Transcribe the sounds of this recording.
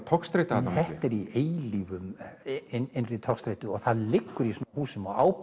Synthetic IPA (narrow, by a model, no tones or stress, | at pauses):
t̪ʰɔkst̪ɾejt̪aθɛht̪ɛɾieːjliːvʏmɪnɪnrɪt̪ʰɔkst̪ɾeːjt̪ʏɔɣθaðlɪkːʏɾisɔːhuːsɪmɔa̰ːwp